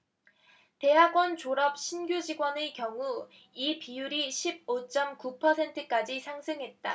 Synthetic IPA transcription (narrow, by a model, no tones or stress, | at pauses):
te̞ɦaɡwʌnt͡ɕoɾʌp̚ɕʰinɡjud͡ʑiɡwʌnɯkjʌŋu | ipijuɾiɕʰib̚ot͡ɕ͈ʌmkupʰʌsʰe̞ntʰɯk͈ad͡ʑisʰaŋsʰɯŋɦe̞t̚t͈a̰